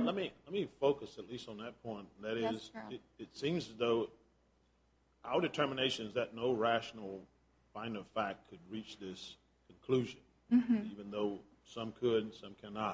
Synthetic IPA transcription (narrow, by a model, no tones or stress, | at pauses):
lɛt̚milɛt̚mifoʊkɨsɨtˡlistn̩ðɨt̚pʰɔ̃ɪ̃nn̩ðɨɾɪzɪɾɨtsĩmzɨzðoʊ | ʔaʊəɾɨtʰɜ˞məneɪʃɨ̃nzðɨtⁿnoʊɹæʃn̩l̩ˠ | fãɪ̃ndʌv̥fækkʰːɨd̚ɹit͡ʃðɪs | kʰn̩kʰl̥ʉʒɨ̃n | ivɨ̃nðoʊ | sʌ̃mkʰɨd̚sʌ̃mkʰænɑt̚